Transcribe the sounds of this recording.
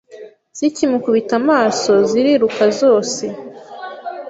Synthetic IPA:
z̥icimukuβitamaːso̞ziɾiɾukazo̞ːse̞

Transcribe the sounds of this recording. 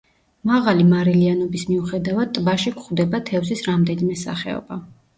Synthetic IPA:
maʁalimaɾɛlianɔbismiuχɛd̪avad̪̚t̪ʼbaʃikʰʷʼχwd̪ɛbat̪ʰɛvzisɾamd̪ɛnimɛsa̰χɛ̰ɔ̰ba

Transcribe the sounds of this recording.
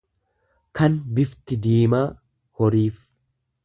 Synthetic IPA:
kɐnbɪft̪ɪd̪iːmaː | hɔɾiːf

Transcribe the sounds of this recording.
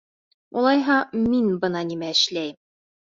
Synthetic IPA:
ulˠɑjɦɑminbɤ̆nɑnimæɘ̆ʃlæjm

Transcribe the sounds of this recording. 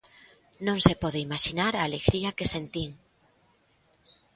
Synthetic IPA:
nõŋsepɔðeimaʃinaɾaːleɣɾiakesent̪iŋ

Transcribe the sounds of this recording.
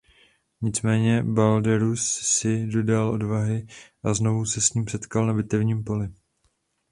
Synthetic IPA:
ɲɪt͡smɛːɲɛbaldɛɾusːɪdo̞dalʔo̞dvaɦɪʔazno̞vusɛsɲiːmsɛt̪kalnabɪt̪ɛvɲiːmpo̞lɪ

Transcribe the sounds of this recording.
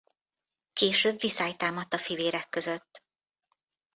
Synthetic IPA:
keːʃøːbvisaːjt̪aːmɒt̪ːɒfiveːɾɛkːø̞zø̞t̪ː

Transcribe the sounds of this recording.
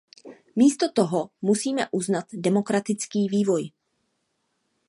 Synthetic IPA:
miːst̪o̞t̪oɦomusiːmɛʔuznat̪dɛmo̞kɾat̪ɪt͡skiːviːvo̞j

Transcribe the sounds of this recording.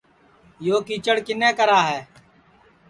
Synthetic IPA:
joːkiːt͡ʃəɽkɪneːkəɾaːɦɛː

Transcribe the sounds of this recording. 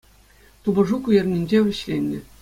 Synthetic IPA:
t̪ubɤ̆ʐukujerʲnʲinʲd͡ʑeʋʲɘ̆ɕlʲenʲːɘ̆

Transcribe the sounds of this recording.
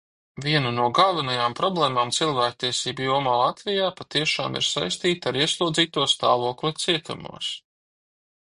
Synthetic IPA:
vʲiɛnanuɔɡalˠvinajaːmpɾɔblˠeːmaːmt̪silˠvæːk̚t̪iɛsiːbujuɔmaːlˠat̪vijaːpat̪iɛʃa̰ːmḭɾsa̰jst̪iːt̪aɾiɛslˠuːd̪ziːt̪uɔst̪aːvuɔklvat̪siɛt̪ṵmṵɔs

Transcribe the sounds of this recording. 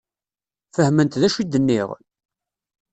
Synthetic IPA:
fəhmənt̪ðæʃid̪ːənːɪ̰ʁ

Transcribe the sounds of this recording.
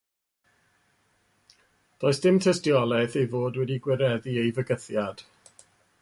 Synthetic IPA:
d̥oːɨsd̥ɪmtʰəstjɔlˠɛθejvoːdwɛdiɡwɪɾɛðiejvəɡəθjad̥

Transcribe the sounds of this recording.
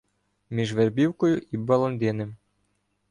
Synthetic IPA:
mʲiʒʋɛrbʲiwkɔjʊʔibɐlˠɔnd̪ʲenɪm

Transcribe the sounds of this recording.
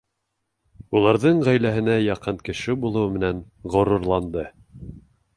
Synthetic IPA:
ulˠɑɾðɤɴʁæjlæɦɘ̆næjɑqɤɴkɘ̆ʃɘbulˠŏwɘmɘ̆næn | ʁŏɾuɾlˠɑnd̪ɤ

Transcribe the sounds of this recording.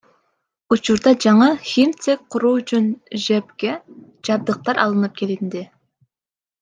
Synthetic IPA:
ut͡ʃuɾd̪ɑd͡ʒɑɴɑxʲimt̪sek̚qʰʊɾuːt͡ʃʰynʒepkʲe | d͡ʒɑb̚d̪ɯq̚t̪ɑɾʔɑ̰lˠɯnɯp̚kʲʰe̞lɪnd̪ɪ

